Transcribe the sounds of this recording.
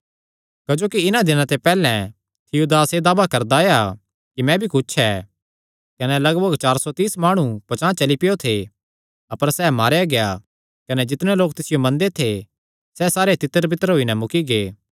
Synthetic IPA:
kɐd͡ʒoːkiɪnãd̪ɪnãt̪epɛːlɛ̃ | t̪ʰɪud̪aːsed̪aːbakɐɾd̪aja | kimɛ̃bʱikʊt͡ʃʰɛː | kɐnɛlɐɡbəɡt͡ʃaːɾsɔt̪iːsmaːɽ̃ũpɐt͡ʃãːt͡ʃɐlipɪjot̪ʰe | ɐpəɾsɛːmaːɾjaɡeja | kɐnɛd͡ʒɪt̪ɽ̃eloːk̚t̪ɪsɪjomɐ̃nd̪et̪ʰe | sɛsaːɾet̪ɪt̪ːəɾbɪt̪əɾɦoːinɛmʊkiɡeː

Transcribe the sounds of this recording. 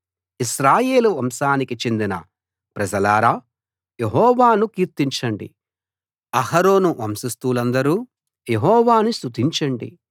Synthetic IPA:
iʃɾaːje̞ːluʋɐmʃaːnikit͡ʃe̞nd̪inɐ̰ | pɾɐd͡ʒɐlaːɾaː | jeɦɔːʋaːnukiːɾt̪iɲt͡ʃɐɳɖḭ | ɐhɐɾo̞ːnuʔɐmsist̪uːlɐnd̪ɐɾuː | jeɦɔːʋaːnist̪ut̪iɲt͡ʃɐɳɖḭ

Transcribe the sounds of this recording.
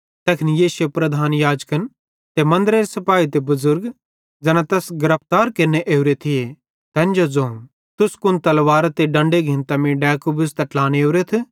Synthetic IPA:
t̪ɛːkʰɪnijeːsʊjepɾɐd̪ʱaːnjaːd͡ʒkən | t̪emɐ̃nd̪ɾeːɾesɐpaːit̪ebɐzʊɾɡ | d͡ʒɛnãt̪ɛːsɡɐɾəp̚ʰt̪aːɾkeneʔeːʊɾet̪ʰɪe | t̪ɛ̃ːnd͡ʒozoːm | t̪ʊskʊnt̪ɐlʋaːɾat̪eɖɐ̃ɳɖeɡʱɪnt̪ɐmĩɖɛːkobʊst̪ɐʈlaːneːʊɾet̪ʰ

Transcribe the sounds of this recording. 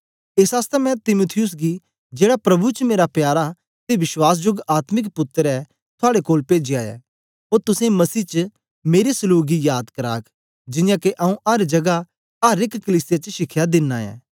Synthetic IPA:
eːsaːst̪ɛmɛ̃t̪ɪmʊt̪ʰɪjʊs̬ɡi | d͡ʒeːɽapɾɐbut͡ʃmeːɾapjaːɾa | t̪eʋɪʃwaːs̬d͡ʒoɡaːt̪mɪkpʊt̪ːəɾɛ | t̪ʰʊaːɽekoːlpeːd͡ʒɪjaːɛ̰ː | oːɾt̪ʊsẽmɐsiːt͡ʃə | meːɾesʊluːɡijaːd̪kɐɾa̰ːkʰ | d͡ʒɪnjãkeʔɐũʔɐɾd͡ʒɐɡa | ɐɾɪkkɐliːsɪjat͡ʃəʃɪkʰːjad̪ɪnːaːɛ̰̃ː

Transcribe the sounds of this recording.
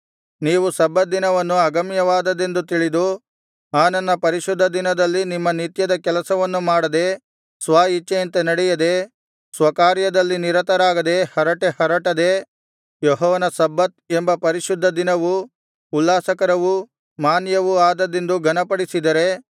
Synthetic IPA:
niːʋusɐbːɐd̪inɐʋɐnːuɐɡɐmjɐʋaːd̪ɐd̪e̞nd̪ut̪iɭid̪u | aːnɐnːɐpɐɾiʃud̪ʱːɐd̪inɐd̪ɐlːinimːɐnit̪jɐd̪ɐkɛlɐsɐʋɐnːumaːɽɐd̪e̞ | sʋaːjit͡ʃːent̪ɐnɐɽɛjɐd̪e̞ | sʋɐkaːɾjɐd̪ɐlːiniɾɐt̪ɐɾaːɡɐd̪e̞hɐɾɐʈehɐɾɐʈɐd̪e̞ | jɔɦɔːʋɐnɐsɐbːɐt̪̚embɐpɐɾiʃud̪ʱːɐd̪inɐʋu | ulːaːsɐkɐɾɐʋu | maːnjɐʋuaːd̪ɐd̪e̞nd̪uɡʱɐnɐpɐɽisid̪ɐɾe̞

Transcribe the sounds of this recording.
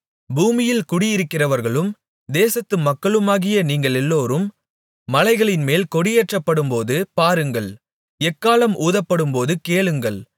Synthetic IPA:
buːmɪjɪlkʊɽɪjɪɾɯkːɪrɐʋɐɾɣɐɭɯm | d̪eːsɐt̪ːɯmɐkːɐɭɯmaːɣɪjɐniːŋɡɐɭɛlːoːɾɯmː | ɐlɐɪɣɐɭɪnmeːlkɔɽɪjɛʈrɐpːɐɽɯmpoːðɯpaːɾɯŋɡɐɭ | ɛkːaːlɐmʔuːðɐpːɐɽɯmpoːðɯkeːɭɯŋɡɐɭ

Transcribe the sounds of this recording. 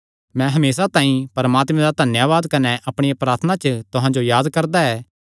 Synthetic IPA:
mɛ̃ɦɐmeːsat̪ãːĩpɐɾmaːt̪mɛ̃d̪ad̪ʱɐnjaʋaːd̪kɐnɛʔɐpɽ̃ɪjapɾaːɾt̪ʰənat͡ʃət̪ʊɦãd͡ʒojaːd̪kɐɾd̪aɛː

